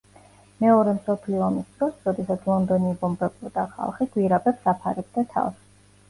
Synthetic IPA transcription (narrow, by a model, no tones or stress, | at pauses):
mɛɔɾɛmsɔpʰliɔːmisd̪̥ɾɔsɾɔd̪ɛsat̪sʰlˠɔnd̪ɔnibɔmbɛbɔd̪aχa̰lˠχiɡwiɾabɛpsapʰaɾɛb̚d̪at̪ʰa̰ls